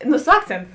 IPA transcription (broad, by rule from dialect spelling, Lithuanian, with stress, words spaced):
nʊ sʊ ˈɑːkt͡sʲeːntʊ